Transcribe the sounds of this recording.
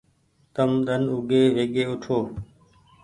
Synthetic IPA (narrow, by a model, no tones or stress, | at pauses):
t̪əmɗ̪ənʊɡeːʋeːɠeːʊʈʰoː